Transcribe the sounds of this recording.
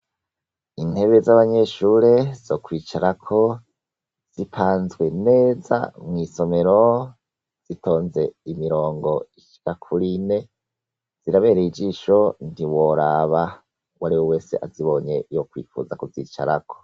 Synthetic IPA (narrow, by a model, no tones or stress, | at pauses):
in̥he̞βe̞zaβaɲe̞ʃuɾe̞z̥o̞kwiːt͡ʃaɾakʰo̞ | z̥ipʰaːnzɡwe̞ne̞ːza̰mŋiːso̞me̞ɾo̞ | z̥itʰo̞ːnze̞imiɾo̞ːŋɡo̞iʃi̥kakʰuɾine̞ | z̥iɾaβe̞ːɾeid͡ʒiːʃo̞n̥iwo̞ɾaβa | waɾiwowe̞ːse̞̰ʔaziβo̞ɲe̞jokwḭːfṵːzakuvḭːt͡ʃa̰ɾa̰kʰo̥